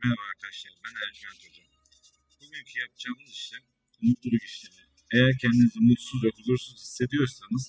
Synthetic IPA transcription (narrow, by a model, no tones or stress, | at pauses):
mejavaɾk̪ʰaʃlˠaɾbænæɾd͡ʒilʲænd̪uɾd̪u | bumymʲcʰinjapd͡ʒaːmɯziʃlɛ | unut̪lˠuɾuɟiʃlʲed̪iɾ | ejæɾcʰɛnd̪inizɛmut̪suzjo̞kʰulˠuɾsunzhisːe̞d̪ijo̞ɾsanɯz̥